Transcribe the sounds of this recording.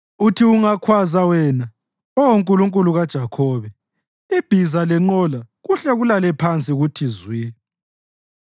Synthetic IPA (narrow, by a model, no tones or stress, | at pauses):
utʰiuŋakʰwazawɛna | ɔwoŋkʼuluŋkʼuluɣad̥ʒ̥ʱakʰɔβɛ | ib̥ʱizalɛŋ͡ǃɔla | ɣuɬɛɣulalɛpʰant͡sʼiɣutʰizwi